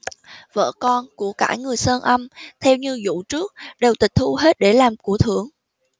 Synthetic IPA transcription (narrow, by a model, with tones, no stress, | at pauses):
və̰ː˧˨kɔ˧nku˧˩əkaː˧˩jŋɨ˨˩əjsəː˧nʔə˧mt̪ʰɛ˧wɲɨ˧zṵ˧˨t͡ɕɨ˦˥ək̚ɗe˨˩wt̪ï˨˩k̟̚t̪ʰu˧ɦe˦˥t̚ɗe˧˩laː˨˩mku˧˩ət̪ʰɨ˧˩˦əŋ